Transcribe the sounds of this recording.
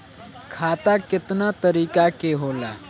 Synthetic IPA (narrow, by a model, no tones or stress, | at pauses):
kʰaːt̪akɪt̪nat̪əɾiːkakeɦoːla̰ː